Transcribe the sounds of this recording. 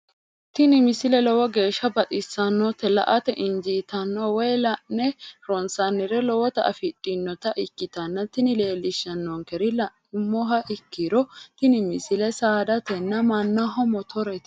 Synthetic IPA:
t̪ɪnɪmɪsɪlɛlɔwɐɡe̞ːʃːɐbɐt̪ʼɪsːɐnːɔt̪ɛlɐ̰ʔɐt̪ɛʔɪnd͡ʒiːt̪ɐnːɔwɛjlɐnɛɾɔnsɐnːɪɾɛlɔwɔt̪ɐʔɐ̰fɪtʼːɪnːɔt̪ɐʔɪkːɪt̪ɐnːɐt̪ɪnɪle̞ːlːɪʃːɐnːɔŋkɛɾɪlɐ | mːɔɦɐʔɪkːɪɾɔt̪ɪnɪmɪsɪlɛsaːd̪ɐt̪ɛnːɐmɐnːɐɦɔmɔt̪ʰɔɾɛt̪

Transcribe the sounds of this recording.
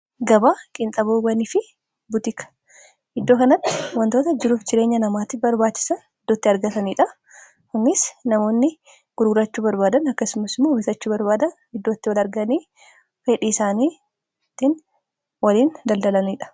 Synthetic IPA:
ɡɐbaːkʼɪnt̪ʼɐboːɡɐnifɪ | bʊt̪ɪkɐ̥ | ʔɪd̪ːo̞ːkɐnɐt̪ːɪ̥wɐnt̪o̞ːt̪ɐd͡ʒɪɾuːfd͡ʒɪɾe̞ːɲːɐnɐmaːt̪ɪbɐɾbaːt͡ʃːɪ̥sɐn | ɪd̪ːoːt̪ːɪɐɾɡɐt̪ɐniːᶑɐ | kʊnːɪsnɐmo̞ːnːɪ | ɡ̥ʊɾɡʊɾɐt͡ʃːuːbɐɾbaːd̪ɐnɐkːɐsʊmɐsɪmːoːbɪsɐt͡ʃːuːbɐɾbaːd̪ɐn | ɪd̪ːo̞ːt̪ːɪwɐlɐɾɡɐniː | feːᶑiːsaːniː | t̪ːɪn | wɐliːnd̪ɐld̪ɐlɐniːᶑɐ̥

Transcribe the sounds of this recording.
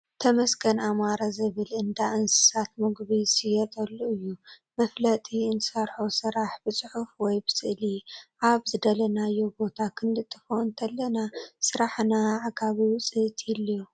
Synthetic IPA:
t̪ʰɐmɐsɡɐnamaɾazɨβɨlɨnd̪aʔɨnsɨ̥sat̪mɨɡβisijɛt̪ʼɐlːuɨjːu | mɐflɐt̪ʼiɨnɨsɐɾħosɨɾaħbɨt͡sʼɨħufwɔjbɨsɨʔliʔaβzɨd̪ɐlɐnajːo̞bo̞t̪ʰakʰɨnd̪ɨt̪ʼːɨfoɨnt̪ʰɐlːɐnasɨɾaħnaʕaɡʰaβiwt͡sʼɨt̪ʰilijo

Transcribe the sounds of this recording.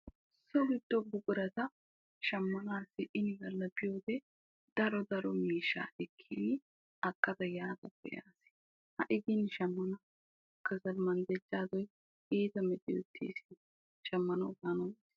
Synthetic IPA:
sɔɡɪd̪̥ːɔbʊkʼʊɾɐt̪ɐ | ʃɐmːɐnaːsːɪʔɪnɡɐlːɐbɪjo̞ːd̪ɛ | d̪̥ɐɾɔd̪ɐɾɔmiːʃːa̰ːʔɛkʰːinɪ | ɐkːɐt̪ɐjaːd̪ɐbɛ̰ja̰ːsɪ̥ | hɐ̰ʔɪɡɪnʃɐmːɐnɐ | kːɐzɐnmɐnd̪ɛd͡ʒːaːzɔj | eːt̪ɐmɛtːɪʊt̪ʰːḛːsɪn | ʃɐmːɐnɐɡaːnɔnːs

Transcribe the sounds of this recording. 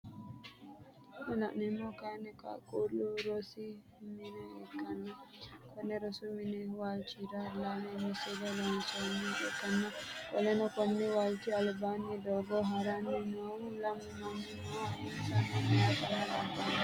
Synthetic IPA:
nɛlaʔnɛmɔkanɛka̰kuluɾosi | minɛɛkanːakɔnɛɾɔsuminɛwalt͡ʃiɾalanɛmisilɔlɔnsɔniɛkanːakɔ̰lɛnɔkɔmnɛwalt͡ʃialbanidɔɡɔɦaɾanɛnɔwlammammaɛsanamɛadaɾalaban

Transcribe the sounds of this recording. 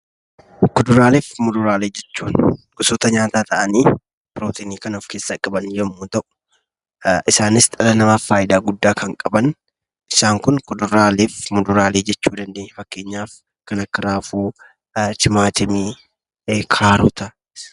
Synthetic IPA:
kʊd̪ʊɾaːleːfmʊd̪ʊɾaːleːd͡ʒɛt͡ʃːuːnɡʊsɔːt̪ɐɲaːt̪aːt̪ʰɐʔɐniː | pɪɾoːt̪ʰiːniːkɐnɔfkeːsːɐkʼɐbɐnd͡ʒɛmːuːt̪ɐʔʊ̥ | ʔɪsaːnɪst̪ʼɐlɐnɐmaːfːaːjd̪aːɡʊd̪ːaːkɐŋkʼɐbɐn | ʔɪsaːŋkʊnkʊd̪ʊɾaːleːfmʊd̪ʊɾaːleːd͡ʒɛt͡ʃːuːd̪ɐnd̪eːɲːfɐkːe̞ːɲːaːf | kɐnɐkːɐɾaːfuː | t͡ʃɪmaːt̪ɪmiː | kʰaːɾʊːt̪ɐ | s

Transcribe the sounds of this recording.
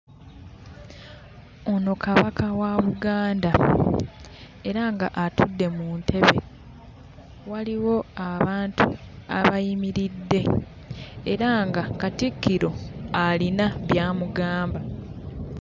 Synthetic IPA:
ono̞kaβakʰawaβuɡaːnda | e̞ɾaŋɡaʔatudːe̞muːntʰe̞βe̞̰ | waliwo̞aβaːntṵa̰βajimiɾidːe̞ | eɾaŋɡakatikːiɾo̞alinaβjaːmuɡaːmba

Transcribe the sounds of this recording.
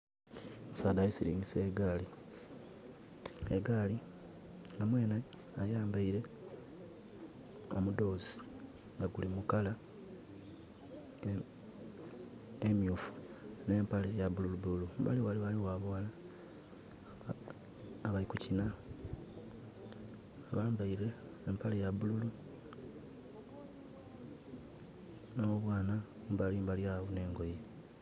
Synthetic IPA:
omusaːdajisiɾḭːɲɟise̞ːɡali | eɡali | ŋɡamweːna | ajaːmbaiɾe̞ | o̞̰mudo̞zi | ŋɡaɡulimukala | emjuːfu̥ | ne̞ːmpalejaβululuβululumba̰liwaliwaliwaβoala | βaikucina | aβaːmbaiɾeː | mpalejaβululu | naoβwaːna | mbalimbaljaβone̞ːŋɡo̞je

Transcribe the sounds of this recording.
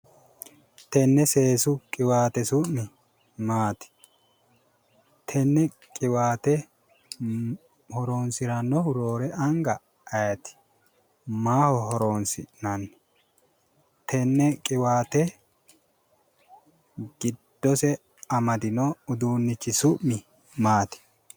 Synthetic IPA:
t̪ɛnːɛseːsʊkʼɪwaːt̪ɛsʊnːɪ | maːt̪ɪ̥ | t̪ʰɛnːɛ | kʼɪwaːt̪ɛ | hɔɾoːnsɪɾɐnːɔhʊɾoːɾɛʔɐŋɡɐ | ɐjɐt̪ɪ̥ | maːhɔhɔɾoːnsɪ̰nɐnː | t̪ʰɛnːɛkʼɪwaːt̪ɛ | ɡɪd̪̥ːɔsɛ | ɐmɐd̪ɪnɔʊd̪uːnːɪt͡ʃːɪsʊʔmɪ | maːt̪ɪ̥

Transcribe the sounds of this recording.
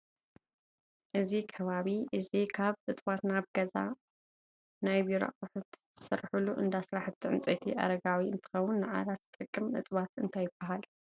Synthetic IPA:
ʔɨzikʰɐβaβiʔɨzikʰaβʔɨt̪ʼβat̪naβɡ̥ɐza̰ | najbiɾo̰ʔkʼɨħut̪zsɨ̰ɾħuluʔɨ̰nd̪asɾaħɨt̪ʰːiʕɨ̰nt͡sʼet̪ʰiʔɐ̰ɾɐɡawiɨ̰nt̪ʰɨ̥xɐwːʊnːɨʕa̰lat̪zɨt̪ʼɨkʼːɨmʔɨ̰t̪ʼβat̪ɨnt̪ʰajɪb̥ːɐɦal

